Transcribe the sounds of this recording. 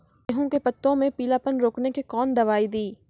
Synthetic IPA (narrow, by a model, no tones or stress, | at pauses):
eɦũkepɐt̪ːõmẽpiːlaːpənɾoːknekikɔːnd̪ɐʋaːid̪iː